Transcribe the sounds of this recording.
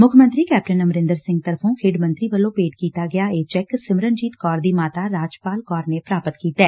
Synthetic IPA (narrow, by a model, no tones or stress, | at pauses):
mʊkʰəmə̃nt̪ɾikɛːp̚ʈənɐmɾɪ̃nd̪əɾsɪ̃ŋɡ̚t̪əɾpʰõkʰeːɖmə̃nt̪ɾibəlõpeːʈkiːt̪aɡɐjaeːt͡ʃɛksɪmɾənd͡ʒiːt̪kɔːɾd̪iːmaːt̪aɾaːd͡ʒpaːlkɔːɾnepɾaːpət̪kiːt̪ɛː